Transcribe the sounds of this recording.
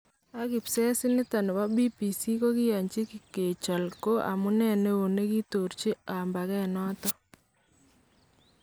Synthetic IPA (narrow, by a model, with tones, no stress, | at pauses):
a˦kɪ˨psɛ˦sɪ˦nɪ˦ta˨nɪ˨wa˦bi˦pi˨si˦ko˦kɪ˦ja˨ɲt͡ʃi˦ki˨ke˨t͡ʃɔ˨lko˦ʔa̰˨mʊ˦nɛ˦˨ne˦o˨ne˦ki˦to˨rt͡ʃi˦a˨mba˨kɛ˦˨nɔ˦tɔ˦